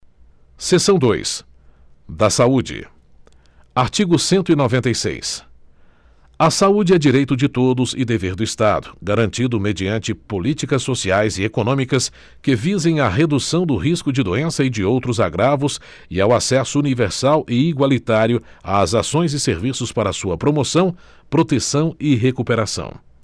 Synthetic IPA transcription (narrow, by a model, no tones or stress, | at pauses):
sesɐ̃w̃d̪ojs | d̪ɐsaud͡ʒɪ̰ | aɾt͡ʃiɡʊsẽnt̪ʊinovẽnt̪ejsḛjs | ɐsaud͡ʒɪɛd͡ʒiɾejt̪ʊd͡ʒɪt̪od̪ʊzɪd̪eveɾd̪ʊist̪a̰d̪ʊɡaɾɐ̃nt͡ʃid̪ʊmed͡ʒiɐ̃nt͡ʃɪpolit͡ʃikɐsːosiajzɪekonõmikɐs | kɪvizẽj̃ɐɦed̪usɐ̃w̃d̪ʊɦiskʊd͡ʒɪd̪uẽsɐɪd͡ʒɪowt̪ɾʊza̰ɡɾavʊs | ɪawasɛsʊuniveɾsawʔɪiɡwalit̪aɾjʊa̰zasõj̃zɪseɾvisʊspaɾɐːsuɐpɾomosɐ̃w̃ | pɾot̪esɐ̃w̃ɪɦekupeɾasɐ̰̃w̃